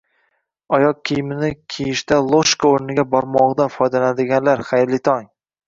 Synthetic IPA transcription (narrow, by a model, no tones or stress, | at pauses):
ɒjɒq̚kʲʰijmɪnɪkʲʰejɪʃt̪alˠoʃkaoɾnɪɡʲabɒɾmɒʁd̪afɒjd̪alanad̪ɪɡʲanlaɾχajɾlɪt̪ʰɒŋ